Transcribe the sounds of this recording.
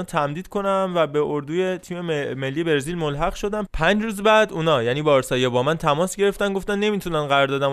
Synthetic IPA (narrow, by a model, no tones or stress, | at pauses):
t̪ʰæmd̪iːd̪̥kʰo̞næmvæbe̞ʔoɾd̪uːje̞t̪ʰiːme̞melːiːebe̞ɾziːlmo̞lɦæɣʃo̞d̪æmpʰæɲd͡ʒɾuːzbæd̪uːnɒːjæniːbɒːɾsɒːjebɒːmænt̪ʰæmɒːsɟe̞ɾeft̪ænɡoft̪ænːe̞miːt̪ʰunænɢæɾɒːɾd̪ɒːd̪æm